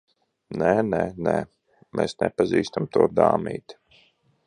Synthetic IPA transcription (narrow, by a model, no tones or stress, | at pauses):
nɛnɛnɛ | mɛːsnɛpaziːst̪amt̪uɔd̪aːmḭːt̪